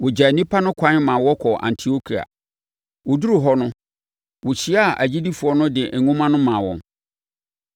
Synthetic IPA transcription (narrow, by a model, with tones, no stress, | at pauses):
wʊ˨d͡ʑa˨nĩ˦pʰa˦nʊ̃˦kʷʰã˦mãː˨wɔ˦kʰɔ˨ʔã̰˨ntʰi˨o˦kʰi˨a̰˨ | wʊ˨du˦ɾu˨ɦɔ˦nʊ̃˦ | wʊ˨ɕi˦a˦˨ʔæ˨d͡ʑi˦di˦fu˨ɔ˦nʊ̃˦dɪ˨ʔ̩˨ŋũ˦mã˦nʊ̃˦mã˨wɔ̰̃˨n